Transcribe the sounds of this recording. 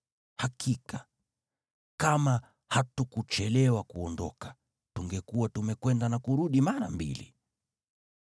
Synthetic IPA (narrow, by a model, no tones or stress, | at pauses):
hakʰika | kama | hatukut͡ʃɛlɛwakuɔndɔkḁ | tuŋɡɛkuwatumɛkwɛndanakuɾuɗimaɾambḭlḭ